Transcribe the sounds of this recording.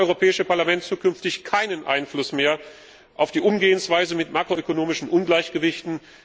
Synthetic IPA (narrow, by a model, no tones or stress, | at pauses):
ʔɔʏʁ̞opʰɛːɪʃəpaɐlamɛntt͡suːkʏnftɪçkʰaɪnənʔa̰ɪnflʊsmeːɐ | ʔaʊfd̥iːʔʊmɡeːənsv̥aɪzəmɪtmaːkʁ̥oøkonoːmɪʃn̩ʔʊnɡlaɪçɡ̥əvɪçtn̩